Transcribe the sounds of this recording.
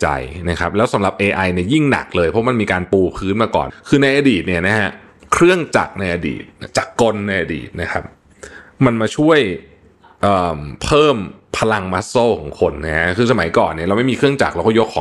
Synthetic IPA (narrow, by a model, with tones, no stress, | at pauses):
t͡ɕa̰˧jna˦˥kʰa˦˥p̚lɛː˦˥wsa˨˩˦mla˨˩p̚ʔeː˧ʔa˧jni˥˩ji˥˩ŋna̰˨˩k̚lɤː˧jpʰɔ˦˥ma˧nmiː˧kaː˧npuː˧pʰɯː˦˥nmaː˧kɔ̰ː˨˩nkʰɯː˧na˧jʔa˧diː˨˩t̪̚ni˥˩ɐna˦˥ɦʰa˦˥ | kʰɾɯ˥˩əŋt͡ɕa̰˨˩k̚na˧jʔa˧dḭː˨˩t̪̚t͡ɕa˨˩kːo˧nːa˧jʔa˧dḭː˨˩t̪̚na˦˥kʰa˦˥p̚ | ma˧nmaː˧t͡ɕʰu˥˩əj | ʔɤː˨˩mpʰɤː˥˩mpʰa˧la˧ŋma˦˥t̪̚soː˥˩kʰɔ̰ː˩˦ŋkʰo˧nːa˦˥ha˦˥kʰɯː˧sa˧ma˩˦jkɔː˨˩nːi˥˩ɾa˧wma˥˩jmiː˧kʰɾɯ˥˩əŋt͡ɕa̰˨˩k̚la˧wkɔ˥˩jo˦˥kʰːɔː˨˦